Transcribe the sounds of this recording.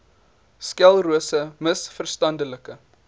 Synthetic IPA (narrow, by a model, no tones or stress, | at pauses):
skælˠruəsəməsfərstɐndələkə